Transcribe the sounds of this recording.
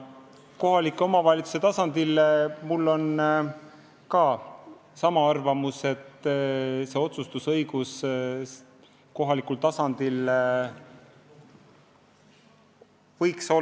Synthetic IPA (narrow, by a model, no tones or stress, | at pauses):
ko̞ɦɑlikːˑo̞mɑvɑlʲit̪su̥se̞t̪ɑsɑnd̪̥ilmulːo̞n | kɑː | sɑmɑɑrvɑmuse̞t̪ː | se̞o̞t̪sust̪usɤjɡ̥us | ko̞ɦɑlikult̪ɑsɑnd̪̥il | vɤjkso